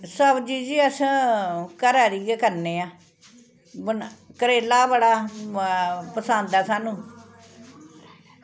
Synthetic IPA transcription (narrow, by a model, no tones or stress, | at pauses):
səbd͡ʒiːd͡ʒiːəs | kəɾaːɾiːɡekəɾneːaː | bənkəɾeːlaːbəɽaː | pəsənd̪aːsaːnũː